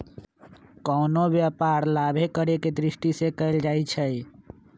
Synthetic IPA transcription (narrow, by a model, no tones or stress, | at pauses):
kɔnobjapaɾlabʱekəɾeked̪ɾiʃʈisekəɪld͡ʒajt͡ʃʰəj